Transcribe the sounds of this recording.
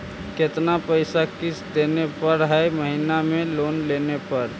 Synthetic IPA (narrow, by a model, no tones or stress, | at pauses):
ket̪napəɪsakɪt͡ʃʰd̪enepəɾɦɛməɦinamẽloːnlenepəɾ